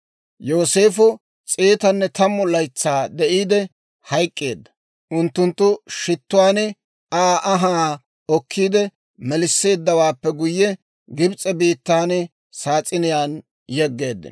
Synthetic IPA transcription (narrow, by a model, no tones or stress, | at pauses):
jo̞ːseːfʊ | t͡sʼeːt̪ɐnːɛt̪ɐmːɔlɐjt͡sːaːd̪ɛʔiːd̪ɛ | hɐjkʼːe̞ːd̪ːɐ̥ | ʔʊnt̪ːʊnt̪ːʊʃɪt̪ːʊwaːnɪ | aːʔɐɦaː | ɔkʰːiːd̪ɛ | mɛlɪsːe̞ːd̪ːɐwaːpːɛɡʊjːɛ | ɡɪbt͡sʼːɛbiːt̪ːaːn | saːt͡sʼɪnɪjaːn | jɛɡːe̞ːd̪ːɪ̰n